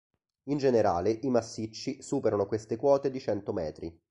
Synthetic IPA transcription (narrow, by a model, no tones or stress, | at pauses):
ind͡ʒeneɾa̰ːleʔimasːit͡ʃːisuːpeɾanokwest̪ekwɔːt̪ed̪it͡ʃɛnt̪omɛːt̪ɾi